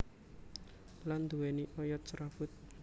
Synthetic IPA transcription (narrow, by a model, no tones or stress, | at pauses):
land̪uwɛniʔɔjɔt̪̚sɾafʊt̪̚